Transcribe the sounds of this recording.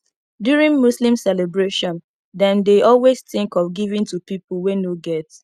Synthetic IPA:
djuɹĩnmuslĩmsɛlebɹeʃɔ̃n | dɛ̃ndeɔlwesθɪ̃ŋkɔfɡivĩntupipulwɛnoɡɛt

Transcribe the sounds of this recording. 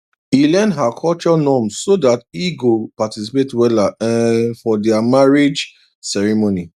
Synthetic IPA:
ilɛ̃nɦakʰɔlt͡ʃɔnɔ̃mssodatiɡopatisipetwɛlaɛ̃fɔdɛamaɹed͡ʒ | sɛɹimoni

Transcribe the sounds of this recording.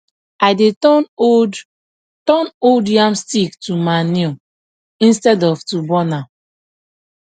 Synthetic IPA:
aɪdetɔn | tɔnodiãmstiktumane | ĩnstɛdɔvtubɔna

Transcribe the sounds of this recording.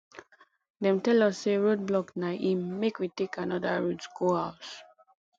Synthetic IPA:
dɛ̃mtɛlɔsːeɹod̚blɔknaʔĩmːekwitekãnɔdaɹutɡohaʊs

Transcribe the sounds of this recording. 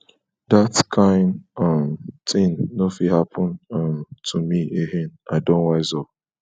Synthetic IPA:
datkʰãɪ̃ndʌmtʰɪ̃ŋnofihapʰɔ̃nʌmtʰumieɦenaɪdõnwaɪzɔ

